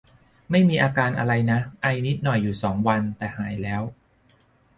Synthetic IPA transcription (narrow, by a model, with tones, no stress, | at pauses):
ma˥˩jmiː˧ʔaː˧kaː˧nʔa̰˧ɾa˧jna˦˥ʔa˧jni˦˥t̪̚nɔ˨˩jːuː˨˩sɔː˩˦ŋwa˧nt̪ɛː˨˩haː˩˦jlɛː˦˥w